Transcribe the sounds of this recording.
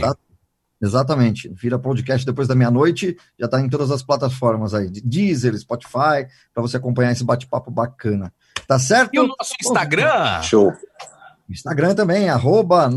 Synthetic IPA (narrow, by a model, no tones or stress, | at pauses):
a | ezat̪̬ɐmẽnt͡ʃɪviɾɐʊpod͡ʒɪkɛst͡ʃɪd̪epojzd̪ɐmĩɲɐnojt͡ʃɪ | ʒ̥at̪aẽt̪od̪ɐzɐsplat̪afɔɾmɐzaiɪd͡ʒizelɪspɔt͡ʃi̥faj | pɾɐvoseakõpɐ̃ɲ̃aɾesɪbat͡ʃɪ̥pa̰pʊbakɐ̃nɐ | t̪as̬ɛɾt̪ʊɔsʊĩst̪aɡɾɐ̃ʃow | ĩst̪aɡɾɐ̃t̪ɐ̃bẽj̃aɦobɐ